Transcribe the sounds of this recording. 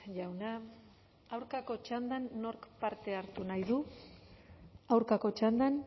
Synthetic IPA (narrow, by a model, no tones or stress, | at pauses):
ʝawna | awɾkako̞t͡ʃand̪anːo̞ɾkpaɾt̪e̞aɾt̪unajðu | awɾkako̞t͡ʃand̪an